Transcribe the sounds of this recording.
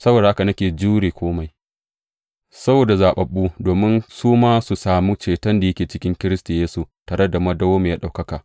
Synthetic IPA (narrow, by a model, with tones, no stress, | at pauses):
sɐ˦boː˨da˨ʔa˦ka˨nɐ˦kʲeː˨d͡ʒuː˦ɽeː˨kʷoː˦ma˨j | sɐ˦boː˨da˨zaː˨ɓɐ˨ɓːuː˦doː˨mɪ˦nsuː˦maː˦su˨saː˨mu˦t͡ʃeː˨tɐ˦nda˨jɐ˦kʲeː˨t͡ʃɪ˦kʲɪ˦ŋkʲɪ˦ɾɪ˦sta˨jeː˦su˨taː˨ɽɐ˦da˨mɐ˦dɐ˦woː˦me˨jaː˦ɗa˨wkɐ˦kaː˨